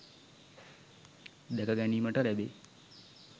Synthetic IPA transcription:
d̪ɛkaɡaniːməʈəɾɛbe

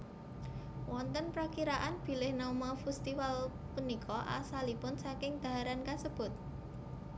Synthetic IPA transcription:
wɔnt̪ənpɾakiɾaʔanb̥i̤lɪhnɔmafust̪iwal | punikʰɔʔa̰salipʊnsakɪŋd̪̥a̤ɦaɾankasəb̥ʊ̤t̪̚

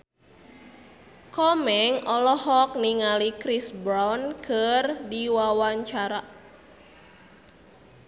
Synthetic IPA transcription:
kɔmɛŋʔɔlɔhɔk̚niŋalikɾisbɾawnkʰərdiwawaɲt͡ʃaɾa

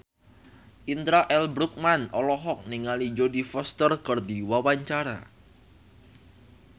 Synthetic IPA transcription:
ʔint̪ɾaʔɛlbɾuk̚manɔlɔɦɔk̚niŋalid͡ʒodifɔst̪ərkɔrdiwawaɲt͡ʃaɾa̰

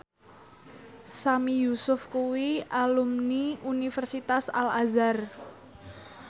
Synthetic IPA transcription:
samijusʊfkuwialumniunifɛrsit̪asalazar

